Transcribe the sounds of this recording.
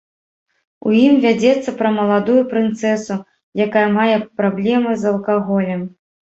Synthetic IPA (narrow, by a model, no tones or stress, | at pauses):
ṵjimvʲad͡zʲɛt̪sːɐpɾɐmɐlˠad̪ujupɾɨnt̪sɛsu | jakajɐmajɛpɾablʲɛmɨzɐlˠkaɣɔlʲɛm